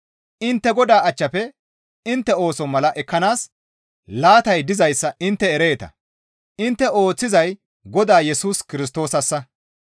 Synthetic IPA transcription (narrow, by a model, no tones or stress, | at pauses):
ʔɪnt̪ːɛɡɔd̪aːɐt͡ʃːɐpɛ | ɪnt̪ːɛo̞ːsɔmɐlɐʔɛkːɐnaːs | laːt̪ɐjd̪ɪzɐjsːɐʔɪnt̪ːɛɛɾe̞ːt̪ɐ̰ | ʔɪnt̪ːɛo̞ːt͡sːɪzɐj | ɡɔd̪aːjɛsuːskɪɾɪs̬t̪o̞ːsɐsːɐ